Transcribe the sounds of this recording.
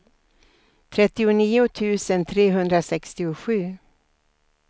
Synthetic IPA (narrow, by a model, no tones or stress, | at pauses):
t̪ʰɾɛt̪ːɪʊniːʊt̪ʰʉ̟ːsənt̪ʰɾeːɦɵnd̪ɾasɛkst̪ɪʊɧʉ̟ː